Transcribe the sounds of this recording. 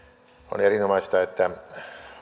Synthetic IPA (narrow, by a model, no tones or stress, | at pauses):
o̰nerinomɑist̪ɑet̪ːæ